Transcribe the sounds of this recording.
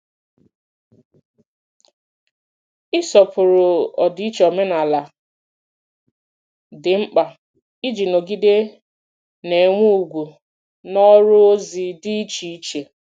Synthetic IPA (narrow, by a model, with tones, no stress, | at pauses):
ɪ˦sɔ˨pʊ˨ɾʊ˨ɔ˨di˨˦i˦t͡ʃe˨ɔ˨me˦na˨la˨ | dɪ˨ŋ͡m̩˦k͡pa˨ | i˦d͡ʒi˨no˨ɡi˦de˦ | ne˨ŋʷu˦u˨ɡʷu˨ | nɔ˦ɾʊ˦o˦zi˨di˦i˦t͡ʃi˨i˦t͡ʃe˨